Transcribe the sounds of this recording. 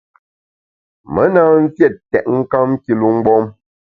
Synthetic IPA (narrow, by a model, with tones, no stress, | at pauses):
mə˦naː˦n̩˦fjɛ˦˨t̚ːɛ̰˨ʔ̚ŋ̩˦ka˦m˦ki˦lu˦ŋ͡m̩˦ɡ͡bɔ˦m